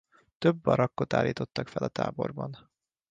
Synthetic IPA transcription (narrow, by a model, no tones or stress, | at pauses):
t̪øbːɒɾɒkːot̪a̰ːlːiːt̪o̞t̪ːɒkfɛlɒt̪a̰ːbo̞̰rbɒn